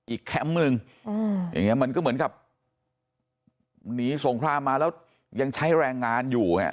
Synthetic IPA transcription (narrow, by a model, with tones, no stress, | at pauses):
ʔiː˨˩kʰːɛ˦˥mnɯ˧ŋː˧ | ja̰˨˩ŋːi˦˥ɐma˧nkɔː˥˩mɯ˩˦nka˨˩p̚ | niː˦˥so˨˩˦ŋkʰɾaː˧mːaː˧lɛː˦˥w | ja˧ŋt͡ɕʰa˦˥jɾɛː˧ŋːaː˧njuː˨˩ŋa̰˦˩